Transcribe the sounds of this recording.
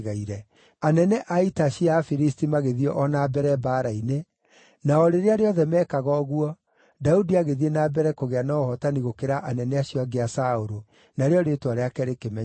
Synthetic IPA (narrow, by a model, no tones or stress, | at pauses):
ɣaiɾɛ | anɛnɛʔaitaʃiafiɾistimaɣeðiɔʔɔnabɛɾɛbaːɾaine | naɔɾeɾeaɾeɔðɛmɛkaɣɔɣuɔ | daudiaɣeðienabɛɾɛkoɣeanɔohɔtaniɣokeɾaʔanɛnɛaɕiɔaɡeasaoɾo | naɾeɔɾetoaɾeakɛɾekemɛ